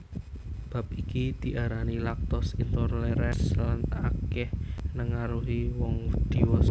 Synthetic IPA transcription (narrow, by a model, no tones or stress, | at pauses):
b̥ä̤p̚ikid̪̥i̤ʔaɾanilak̚t̪ɔsint̪ɔrleɾɛslanakɛhnəŋaɾuɦiwɔŋd̪̥i̤wɔs